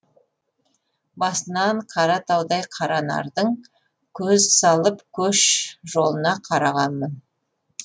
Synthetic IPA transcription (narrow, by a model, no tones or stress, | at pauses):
bɑsənɑɴqʰɑɾɑt̪ʰɑwd̪ɑjqʰɑɾɑnɑ̰ɾd̪əɴ | kʲʰɵzsɑlˠəpkʲʰɵʃʒo̞lˠənɑqʰɑɾɑʁɑnmən